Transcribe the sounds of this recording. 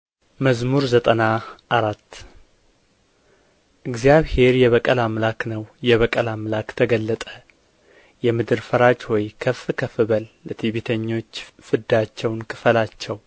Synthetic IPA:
məzmuɾzət̪ʼənaʔaɾat̪ː | ʔɨɡzijaβhe̞ɾjɛβəkʼəlamlaknəwjɛβəkʼəlamlakt̪ʰəɡəlːət̪ʼə | jɛmɨd̪ɨɾfəɾad͡ʒhɔjkʰəfkʰəfɨβəlːət̪ʰiβit̪ʰəɲːo̞t͡ʃːfɨd̪at͡ʃːɛwnkʰɨ̥fəlat͡ʃːɛw

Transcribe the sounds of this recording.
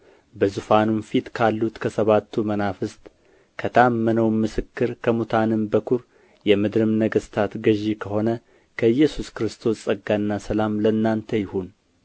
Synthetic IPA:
bəzufanunfit̪kʰalːut̪kʰəsəβat̪ʰːumənafɨst̪ | kʰət̪ʰəamːənəwmɨsɨkːɨɾkʰəmut̪ʰanɨmbəkʰuɾ | jɛmɨd̪ɾɨmnəɡəst̪ʰat̪ɡəʒikʰəho̞nə | kʰəɨjːɛsuskɨɾɨst̪ʰo̞ssʼəɡːanːasəlamlənːant̪ʰəjɪhun

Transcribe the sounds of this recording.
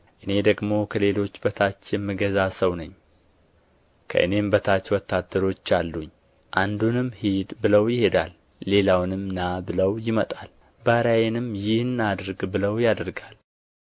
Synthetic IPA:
ʔɨne̞d̪əɡmo̞kʰəle̞lo̞t͡ʃːbət̪ʰat͡ʃːjɛmːiɡəzasəwnəɲː | kʰə̰ʔɨne̞mbət̪ʰat͡ʃːwɔt̪ʰːad̪əɾo̞t͡ʃːalːuɲː | ʔand̪unɨmhid̪bɨləwjɪhe̞d̪alː | e̞lawnɨmnabɨləwjɪmət̪ʼal | baɾajenɨmjɪhɨnːad̪ɾɨɡbɨləwjad̪ɾɡal

